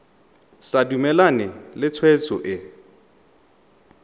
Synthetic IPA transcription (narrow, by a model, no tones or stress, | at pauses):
sadumɛlanɪlɪt͡sʰwet͡sʼɔʔɪ